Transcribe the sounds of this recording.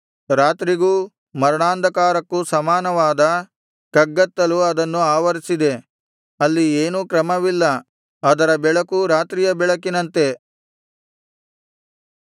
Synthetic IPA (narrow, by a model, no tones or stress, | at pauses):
ɾaːt̪ɾiɡuː | mɐɾɐɳaːnd̪ʱɐkaːɾɐkːusɐmaːnɐʋaːd̪ɐ | kɐɡːɐt̪ːɐluɐd̪ɐnːuaːʋɐɾisid̪e̞ | ɐlːieːnuːkɾɐmɐʋilːɐ | ɐd̪ɐɾɐbɛɭɐkuɾaːt̪ɾijɐbɛɭɐkinɐnt̪e̞